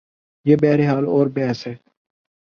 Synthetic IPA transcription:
jeːbɛːɦɾeːɦaːloːɾbɛːsɦɛː

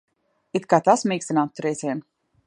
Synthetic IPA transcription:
it̪kaːt̪asmiːkst̪inaːt̪ːuɾɛjziɛn

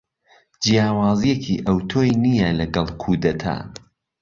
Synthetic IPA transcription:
d͡ʒijaːwaːzijecʰiʔɐwt̪ʰoːjnijɛlɐɡɐlˠkʰuːd̪ɐt̪ʰɐ̰

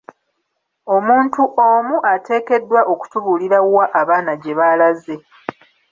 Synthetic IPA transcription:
o̞muːntuʔo̞muʔate̞ːke̞dːwaʔo̞ku̥tuβuliɾawaʔːβaːnaɟe̞βalaze̞

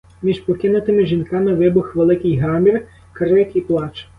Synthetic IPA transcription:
mʲiʒpɔkɪnʊt̪ɪmɪʒʲinkɑmɪʋɪbʊxʋelˠɪkɪjɦɑmʲir | kɐɾɪk̪ʲiplˠɑt͡ʃ

